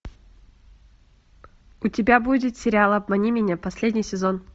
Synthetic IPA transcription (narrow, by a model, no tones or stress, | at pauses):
ʊtʲɪbʲabudʲɪt̪sʲɪɾʲɪalˠɐbmɐnʲimʲɪnʲapɐsʲlʲedʲnʲɪjsʲɪzon